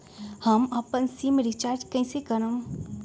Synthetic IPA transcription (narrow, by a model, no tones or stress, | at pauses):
hɐmɐpənsiːmɾit͡ʃaːɾd͡ʒkɐĩsekəɾəm